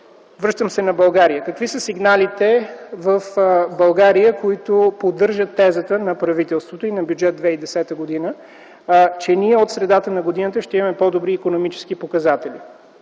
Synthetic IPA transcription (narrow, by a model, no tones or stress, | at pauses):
vɾɤʃt̪əmsɛnɐbɐlˠɡaɾijəkəkvisəsiɡnalit̪ɛvəfbɐlˠɡaɾijəkoit̪ʊpod̪ɤɾʒət̪ːɛzət̪ənɐpɾɐvit̪ɛlˠst̪vot̪oinɐbjud͡ʒɛt̪̚d̪vɛid̪ɛsɛt̪əɡod̪inə | t͡ʃɛniɛot̪sɾɛd̪at̪ənɐɡod̪inət̪əʃt̪ɛimɐmɛpɔd̪obɾiːkonomit͡ʃɛ̥sk̟ipokɐzat̪ɛli